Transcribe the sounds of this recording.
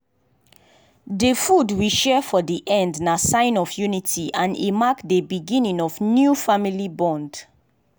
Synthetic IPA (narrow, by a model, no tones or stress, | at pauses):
defudwiʃɛfɔdiʔɛ̃ndnasãɪ̃nɔfjunitʰiãnḛmakdebiɡĩnĩŋɔfnjufamilibɔ̃nd